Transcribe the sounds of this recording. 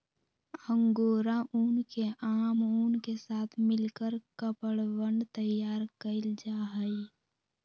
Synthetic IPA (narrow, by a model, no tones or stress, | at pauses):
ə̃ŋɡoːɾaʔuːnkeʔaːmuːnkesaːt̪ʰmɪlkəɾkəpəɽwə̃ɳɖt̪əjaːɾkəɪld͡ʒaːɦəi